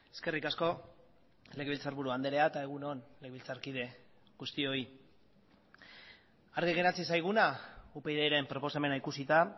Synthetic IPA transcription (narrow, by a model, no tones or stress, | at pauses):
e̞ske̞rikasko̞ | le̞ɣeβilt͡saɾβuɾuand̪e̞ɾe̞aet̪ae̞ɣ̞uno̞nle̞ɣeβilt͡saɾkið̞e̞ | ɣust̪io̞i | aɾɣiɣe̞nat͡sisajɣ̞unaupe̞jðejɾe̞mpɾo̞po̞same̞naikusit̪a